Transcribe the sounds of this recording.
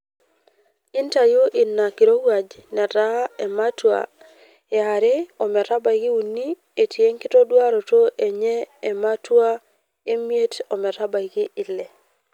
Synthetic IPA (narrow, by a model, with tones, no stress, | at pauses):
i˦nta˨jo˦ʔi˨nːa˨kɪ˨ɾo˦wa˨d͡ʒnɛ˨ta˦ɛ˨ma˦twa̰˨ | e˨a˨ɾɪ˦ɔ˨mɛ˨ta˦ba˨ɡi˦u˨nːi˦ | e˨ti˨e˦ŋkɪ˦to˦dwa˦ɾo˨to˦ʔe˨ɲɛː˦˨ma˦twa˦ | e˦mje˦tɔ˨mɛ˨ta˦ba˨iɡɪ˦ʔɪ˨lːɛ˨